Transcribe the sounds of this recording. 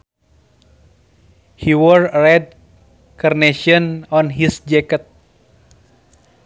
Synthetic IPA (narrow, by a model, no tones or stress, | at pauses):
hiwɔɹɾɛd̚ | karneʃɔnɔnɦisd͡ʒɛkət̪̚